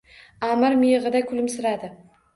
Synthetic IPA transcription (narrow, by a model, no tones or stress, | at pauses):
amɪɾmɪjɪʁɨd̪akʲʰʊlɪmsɪɾad̪ɪ